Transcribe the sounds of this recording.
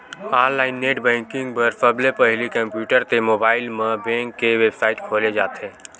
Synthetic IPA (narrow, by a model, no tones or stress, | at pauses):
aːɾlaːɪnːeːʈbɛ̃ːŋkɪ̃ŋɡ̚pəɾsəblepɐɦlikə̃mpjuːʈəɾt̪emoːbaːɪlmẽbɛ̃ːŋkːeʋeːbsaːɪʈkʰoːled͡ʒaːt̪ɦẽː